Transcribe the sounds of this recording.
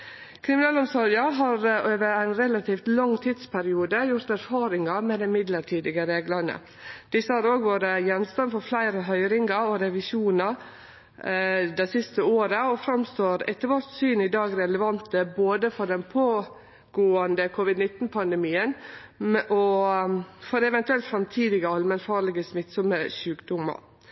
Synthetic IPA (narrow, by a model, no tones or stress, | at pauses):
kʰɾɪmɪnɑːlɔmsɔɾjɑɦɑɾøːʋəɾæɪnɾɛlɑt̪ʰiːft̪lɑŋːt̪ʰiːd̪spʰæɾɪuːd̪əjʊɾt̪æɾfɑːɾɪŋɑmɛd̪ɛmɪd̪ləɾʈʰiːd̪ɪɡəɾeːɡlənə̰ | d̪̥ɪsːəhɑːɾoːɡʋoːɾəjɛnst̪ɑnfɔɾflæɪɾəɦœʏɾɪŋɡɑɔɾɛʋɪʃuːnɑ | d̪æɪsɪst̪əoːɾəɔfɾɑmst̪oːɾɛ̰t̪ːəɾʋæɾt̪syːnɪd̪ɑːɡɾɛləʋɑnt̪əboːd̪əfɔɾɖɛnpʰoː | ɡ̥oːɑnd̪əkʰʊʋɪd̪nɪt̪ːn̩pʰɑnd̪ɛmiːən | ʔɔ | fɔd̪ɛʋɛnt̪ʉɛlt̪fɾɑmt̪ʰiːd̪ɪɡəɑlmənfɑːɭɪɡəsmɪt̪ːsɔməʃʉːkd̪ʊmːɑ̰ɾ